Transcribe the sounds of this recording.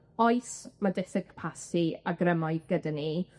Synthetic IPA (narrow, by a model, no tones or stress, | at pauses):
ɔɨsmadɛsɛkʰpʰasiaɡrəmaɨɡ̥ədani